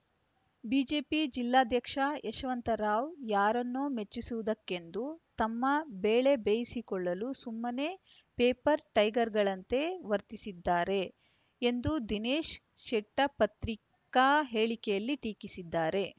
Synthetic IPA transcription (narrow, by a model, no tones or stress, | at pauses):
biːd͡ʒe̞ːpid͡ʒilːaːd̪ʱjɐkʂaeʃʋɐnt̪ɐɾaːʋjaːɾɐnːoːme̞t͡ʃːisuʋud̪ɐkːe̞nd̪ut̪ɐmːɐbeːɭe̞beːjisikɔɭːɐlusumːɐne | peːpɐɾʈɐjɡɐɾɡɐɭɐnt̪e̞ʋɐɾt̪isid̪ːaːɾe̞ː | nd̪ud̪ineːʃ | ʃɛʈːɐpɐt̪ɾik | aːɦe̞ːɭikejɐlːiʈiːkisid̪ːaːɾe̞